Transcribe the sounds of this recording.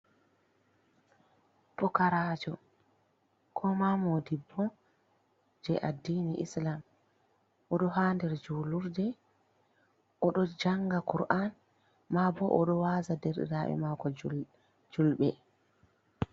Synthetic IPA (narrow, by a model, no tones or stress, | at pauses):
pɔkaɾaːd͡ʒɔ | kʰɔmamodibːɔ | d͡ʒɛʔadːiniʔḭslam | ʔɔɗɔɦaːndɛɾd͡ʒuːluɾdɛ | ʔɔɗɔd͡ʒaŋɡakuɾʔan | mabɔʔɔɗɔwazadɛɾɗɛ̰ɾaɓɛ̰makɔ | d͡ʒulɓɛ